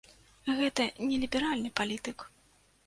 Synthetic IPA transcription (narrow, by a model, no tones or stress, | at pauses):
ɣɛt̪ɐnʲɛlʲibʲɛɾalʲnɨpalʲit̪ɨk